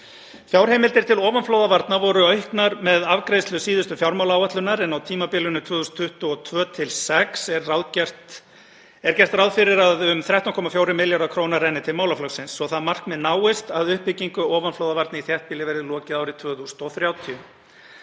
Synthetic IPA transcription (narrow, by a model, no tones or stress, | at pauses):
fjawɾ̥hejmɪlt̪ɪɾ̥t̪ʰɪlɔːvanflowðavaɾt̪navɔɾʏœɥhknaɾmɛðavkɾejslʏsiːðʏst̪ʏfjawɾmaːwlaːwaht̪lʏnaɾɛnawt̪ʰiːmapɪlʏnʏt̪ʰv̥œːθusnt̪ʰːʏht̪ʏɔt̪ʰvœːt̪ʰɪlsɛksɛɾːawðcɛr̥t̪ | ɛɾ̥cɛr̥t̪rawðfɪɾɪɾaðʏmθɾawht̪awŋkʰɔːmafjoːwɾɪmɪljaɾakʰɾownarɛjnɪt̪ʰɪlmaːwlaflɔksɪnsːɔθaðmar̥kmɛðnaːwɪst̪aðʏhpːɪciŋkʏɔːvanflowðavaɾt̪nɪiθjɛht̪̚pɪːlɪvɛɾɪðlɔːcɪðaːwɾɪt̪ʰv̥œːθust̪ɔθɾjaːwt̪ʰiʏ